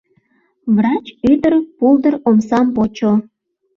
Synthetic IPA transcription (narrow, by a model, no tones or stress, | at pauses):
βrɑt͡ɕyd̪ərpuld̪ə̆romsɑmpot͡ɕo